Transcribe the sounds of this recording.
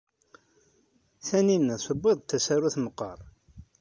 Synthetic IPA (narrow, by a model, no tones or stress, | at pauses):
θæninːæsəbːeðˤt̪ːæsæɾuθməqːɑ̰ɾˤ